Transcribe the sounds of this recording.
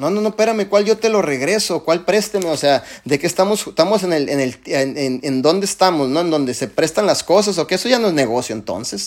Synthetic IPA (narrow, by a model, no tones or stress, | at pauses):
no̞no̞no̞pe̞ɾame̞kwalʝo̞t̪e̞lo̞re̞ɣɾe̞sokwalpɾe̞st̪emeoseaðe̞kest̪amo̞sest̪amo̞s̬enelenelt̪enenend̪o̞nd̪eest̪amo̞sno̞end̪o̞nd̪e̞se̞pɾe̞st̪anlasko̞s̬as̬o̞keeso̞ʝanoezne̞ɣ̞o̞sjoent̪o̞̰nse̞s